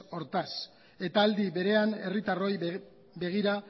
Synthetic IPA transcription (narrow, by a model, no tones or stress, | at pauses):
o̞ɾt̪as | e̞t̪aːld̪iβe̞ɾe̞ane̞rit̪aro̞j | be̞ɣ̞iɾa